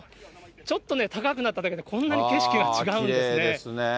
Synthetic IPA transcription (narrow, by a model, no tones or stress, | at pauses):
t͡ɕo̞t̪ːo̞ne̞t̪akakɯ̟nat̪ːad̪aked̪ekʰõ̞nːaɲike̞ɕi̥kʲiɡat͡ɕiɡaɯ̃desɨneesne